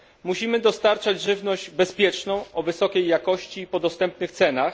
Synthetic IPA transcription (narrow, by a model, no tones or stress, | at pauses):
muɕimɘd̪ɔst̪aɾt͡ʂad͡ʑʐɘvnɔʑd͡ʑbɛspʲjɛt͡ʂnɔ̃w̃ɔvɘsɔkʲejːakɔɕt͡ɕipɔd̪ɔst̪ɛmp̚nɘxt̪sɛnax